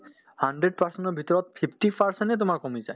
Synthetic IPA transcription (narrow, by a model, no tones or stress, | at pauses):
haɳɖɾeɖ̚paɾsenʈɔbʱit̪ɔɾɔt̪pʰipʰʈipaɾsenʈet̪omaɾkomid͡ʑa̰